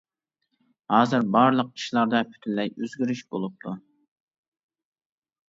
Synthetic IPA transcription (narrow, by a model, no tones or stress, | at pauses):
hɑːzɨɾbɑɾlˠəq̚i̥ʃlˠɑɾd̪ɑpʰy̥t̪ʰyllːɛjøzɡʲyɾyʃbolˠup̚t̪ʰu